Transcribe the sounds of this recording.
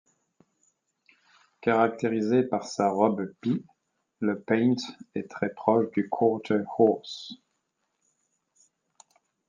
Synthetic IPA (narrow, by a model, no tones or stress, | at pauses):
kaʁak̚t̪eʁizepaʁsaʁɔbpi | ləpɛ̃j̃nt̪ɛt̪χɛpχɔʃd̪ykʰɔt̪hɔs